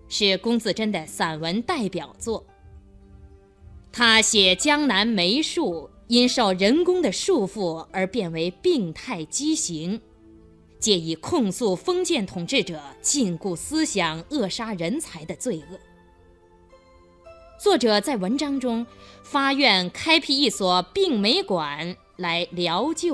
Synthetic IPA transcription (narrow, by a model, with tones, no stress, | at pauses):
ʂɻ̩˥˩kʊ˥ŋt͡sɹ̩˥˧ʈ͡ʂə˥nd̪ə˨sa˨˩nwə˧˥nt̪a˥˩ɪpjɑ˨˩ʊt͡swɔ˥˩ | t̪ʰa˥ɕjɛ˨˩t͡ɕjɑ˥ŋna˧˥nme˧˥ɪʂu˥˩ | i˥nʂo˥˩ʊɻə˧˥nkʊ˥ŋd̪ə˨ʂu˥˧fu˥˩ə˞˧˥pjɛ˥˩nwe˧˥ɪpi˥˧ŋt̪ʰa˥˩ɪt͡ɕi˥ɕi˧˥ŋ | t͡ɕjɛ˥˩i˧˩kʰʊ˥˧ŋsu˥˩fɤ˥ŋt͡ɕjɛ˥˩nt̪ʰʊ˨˩ŋʈ͡ʂɻ̩˥˩ʈ͡ʂɤ˨˩˦t͡ɕi˥˧nku˥˩sɹ̩˥ɕjɑ˨˩ŋɤ˥˩ʂa˥ɻə˧˥nt͡sʰa˧˥ɪd̪ə˧t͡swe˥˧ɪɤ˥˩ | t͡swɔ˥˩ʈ͡ʂɤ˨˩t͡sa˥˩ɪwə˧˥nʈ͡ʂɑ˥ŋʈ͡ʂʊ˥ŋfa˥jɥɛ˥˩nkʰa˥ɪpʰi˥˧i˥˩swɔ˨˩pi˥˩ŋme˧˥ɪkwa˨˩n | la˧˥ɪljɑ˧˥ʊt͡ɕɛ˥˩